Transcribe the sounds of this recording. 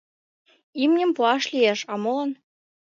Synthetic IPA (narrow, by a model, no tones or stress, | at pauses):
imnʲɘ̆mpuɑʃlʲijeʃɑmolɤ̆n